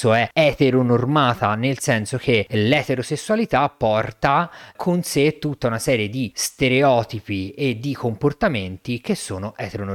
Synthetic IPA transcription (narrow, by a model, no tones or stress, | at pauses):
oɛɛt̪eɾonormaːt̪anelsɛnsok̟elɛt̪eɾosesːualit̪apːɔrt̪akʰonset̪ːut̪ːaunasɛːɾjed̪ist̪eɾeɔːt̪ipied̪ːikomport̪ament̪ik̟esːoːnoʔɛt̪eɾon